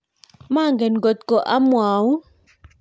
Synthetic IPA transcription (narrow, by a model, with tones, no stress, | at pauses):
ma˦˨ŋɡɛ˨nɡɔ˨t̪̚kɔ˨ʔa˦mwaː˨wu˦